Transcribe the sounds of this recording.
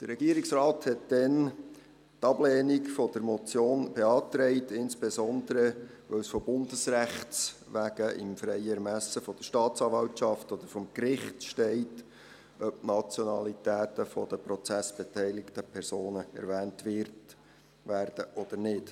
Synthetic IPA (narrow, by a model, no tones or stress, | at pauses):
d̥əɾɛɡ̥iːɾiksrɑːthɛtdɛn | tɑblɛːnikfɔd̥əɾmɔt͡sjoːnb̥eɑːt̪ɾɛɪtɪnsb̥esɔnd̪əɾəʋœwsfɔbʊndəsræχtt͡sʋæɡəɪ̰mfɾɛɪəɛɾmæsəfɔd̥̪əʃtɑːt͡sɑːvɑwtt͡ʃɑftɔd̪əɾfɔmkrɪχtʃtɛɪt | ʔœp̚tnɑt͡sjɔnɑlitæːtəfɔd̥̪əpɾɔt͡sæsb̥etɛɪlɪktəpʰɛɾsoːnəɛ̰ɾʋæːntʋɪɾt | ʋæːrd̥əʔɔd̪̥əɾnɪt